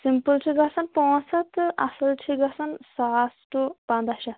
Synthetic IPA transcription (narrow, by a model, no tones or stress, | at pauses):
simpəlt͡ʃʰiɡɐsɐnpõːsɐ̃t̪ɐsɐlt͡ʃʰiɡɐsɐnsaːsʈupãnd̪aʃɐ